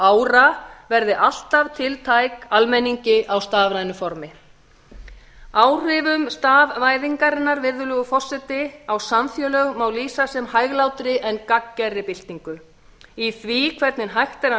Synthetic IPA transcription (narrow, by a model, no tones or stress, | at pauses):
aːwɾavɛɾðɪʔal̥t̪av̥t̪ʰɪlt̪ʰaːjkalmɛniɲcɪʔawst̪aːvɾajnʏfɔɾmɪ | aːwr̥ɪvʏmst̪aːvvaːjðiŋkaɾɪnːaɾvɪɾðʏlʏɣʏfɔr̥sɛt̪ɪawsamfjœːlœɣmawliːsasɛmhaːjɣlawt̪ɾɪʔɛnːkacːɛrːɪpɪl̥t̪iŋkʏ | iθvikʰvɛɾt̪nɪnɦajxt̪ɛɾa